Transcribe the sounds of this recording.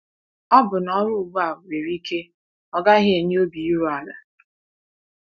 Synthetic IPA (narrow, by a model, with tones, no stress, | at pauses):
ɔ˦bʊ˨nɔ˦ɾʊ˦˨ɡ͡ba˨we˨ɾi˦ke˦ | ɔ˦ɡa˦ɦɪ˦e˨ɲe˦o˦bi˨i˦ɾu˦a˨la˨